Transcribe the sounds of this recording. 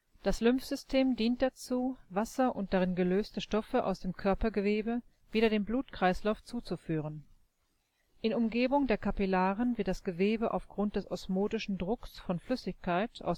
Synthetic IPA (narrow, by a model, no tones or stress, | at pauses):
d̥aslʏmfz̥ʏstʰeːmdiːnt̚d̥at͡suːvasɐʔʊnt̚d̥aʁɪnɡəløːstəʃtɔfəʔa̰ʊsd̥eːmkʰœɐpɐɡəveːbə | v̥iːɾɐdeːmbluːtkʁ̥aɪslaʊft͡suːt͡sufyːʁ̞ən | ʔɪnʊmɡeːbʊŋdeːɐkapilaːʁənvɪɐtd̥asɡ̥əveːbəʔa̰ʊfɡ̥ʁʊnt̚d̥ɛsʔɔsmoːdɪʃn̩dʁʊksfɔnflʏsɪçkʰaɪtʰʔa̰ʊs